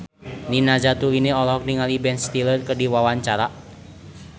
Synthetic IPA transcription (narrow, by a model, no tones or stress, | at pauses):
ninad͡ʒat̪uineɔlɔɦɔk̚niŋalibɛnst̪ilərkərdiwawaɲt͡ʃaɾa